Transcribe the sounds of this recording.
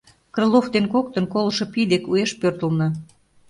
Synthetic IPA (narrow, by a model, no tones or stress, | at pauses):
kreloft̪enkok̚t̪ənkolɤ̆ʃɤ̆pid̪ekueʃpørt̪əlnɤ̆